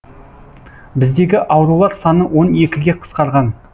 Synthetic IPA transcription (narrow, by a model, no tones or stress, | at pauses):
bɪzd̪e̞ɡʲɪʔɑwɾulˠɑɾsɑnəwo̞ne̞kʲɪɡʲe̞qʰə̥sqɑɾʁɑn